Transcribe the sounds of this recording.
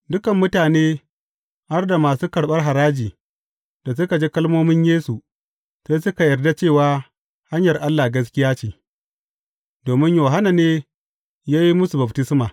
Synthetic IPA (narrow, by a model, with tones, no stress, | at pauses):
dʊ˦kɐ˨mːʊ˦taː˨neː˦ | ha˦rda˨maː˨suː˦kɐ˨ɽɓɐ˦rɦa˨ɾaː˦d͡ʒiː˨ | d̥a˨s̬ʊ˦ka˨d͡ʒeː˦kɐ˦lmoː˦mɪ˦ɲjeː˦su˨ | seː˦sʊ˦ka˨jɐ˨rda˦t͡ʃeː˦˨waː˦ | ha˦ɲjɐ˨rʔa˦lːa˨ɡɐ˦s̬kʲɪ˦jaː˦t͡ʃeː˨ | doː˨mɪ˦ɲjoː˨ɦa˦na˨neː˦ | jaː˦ji˦mʊ˦su˨bɐ˨btɪ˦smaː˨